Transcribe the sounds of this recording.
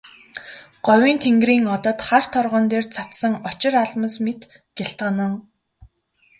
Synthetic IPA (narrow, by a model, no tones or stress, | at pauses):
ɢ̥ɔwʲiːnt̪ʰeŋɡriːŋɔt̪ɔ̆t̪χart̪ʰɔrʁɔːnt̪eːrt͡sʰat̪sə̆ŋɔt͡ɕɪ̆ɾaɮmə̆smet̪ | ɡ̥eɬt̪ɢə̆nə̆ŋ